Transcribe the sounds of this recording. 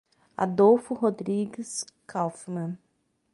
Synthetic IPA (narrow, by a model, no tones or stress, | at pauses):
a̰d̪owfuɦod̪ɾiɡɪskʰawfmɐ̃n